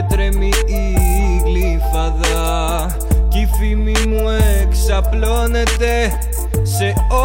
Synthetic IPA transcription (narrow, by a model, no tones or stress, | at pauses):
t̪ɾemiː | ɣli | fɐðɐ | cifimimueksɐplo̞ne̞t̪e̞ | se̞o